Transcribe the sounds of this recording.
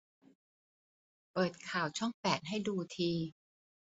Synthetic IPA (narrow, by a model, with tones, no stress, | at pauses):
pɤː˨˩t̪̚kʰaː˨˩wt͡ɕʰɔ˥˩ŋpɛː˨˩t̪̚ɦa˥˩jduː˧t̪ʰiː˧